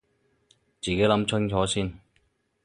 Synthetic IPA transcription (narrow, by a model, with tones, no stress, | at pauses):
t͡siː˨ke˨˥jlɐ˨˥mt͡sʰʊ˥ŋt͡sʰɔː˨˥siː˥n